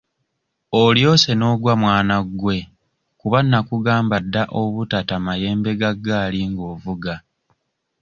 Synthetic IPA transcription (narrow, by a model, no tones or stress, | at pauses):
oljo̞ːse̞no̞ːɡwamwaːnaɡwe̞ | kuβanːakuɡaːmbadːaʔoβutatamaje̞ːmbe̞ɡaɡːaːliŋɡo̞ːvuɡa